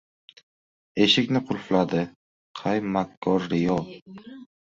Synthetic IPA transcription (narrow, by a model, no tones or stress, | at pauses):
e̞ʃɪkʲnɪqʰʊlflad̪ɪ | qʰajmakʰːɒɾɾɪjɒ